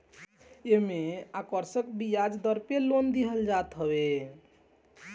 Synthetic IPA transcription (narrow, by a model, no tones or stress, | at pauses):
emeakəɾsəkbijad͡ʒd̪əɾpelond̪iɦəld͡ʒat̪ɦəbe